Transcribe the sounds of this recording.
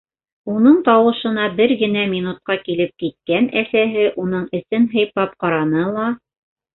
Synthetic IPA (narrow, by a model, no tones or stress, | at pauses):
unɤɴt̪ɑwɤ̆ʃɤ̆nɑbɘɾɡɘ̆næminut̪̚qɑkilɘp̚kit̪̚kænæsæɦɘʔunɤɴɘ̆sɘnɦɤ̆jpɑp̚qɑɾɑnɤlˠɑ